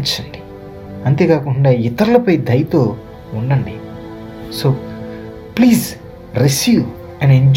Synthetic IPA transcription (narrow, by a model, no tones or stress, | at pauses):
t͡ʃːɐɳɖi | ɐnt̪e̞ːkaːkuɳɖaːit̪ɐɾulɐpɐjd̪ʱɐjɐt̪oː | uɳɖɐɳɖi | soː | pliːz | ɾisjuːʋ | ɛneɲd͡ʒ